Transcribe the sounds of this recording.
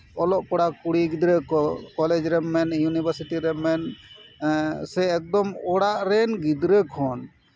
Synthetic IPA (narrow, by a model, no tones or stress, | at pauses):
ɔlɔʔkɔɽakuɽiɡid̪ɾəkɔled͡ʒɾɛmːɛnjunibəɾsiʈiɾɛmːɛn | sɛɛk̚d̪ɔmɔɽaʔɾɛnɡid̪ɾəkʰɔn